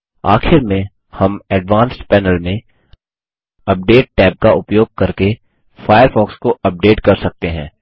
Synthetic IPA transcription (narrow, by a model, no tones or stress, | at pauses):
a̰ːxɪɾmẽ | hɐmɛːɖʋaːnsʈpɛːnəlmẽ | ɐp̚ɖeːʈ̚ʈɛːp̚kaʊpjoːɡ̚kɐɾke | faːjəɾfɔːkskoɐp̚ɖeːʈkɐɾsɐk̚t̪eɦɛ̃ː